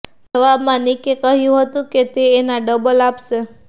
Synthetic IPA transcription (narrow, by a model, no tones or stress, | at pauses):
d͡ʒəʋabmãnikekəɦjũɦət̪ũket̪eːnaɖəbəlapʃe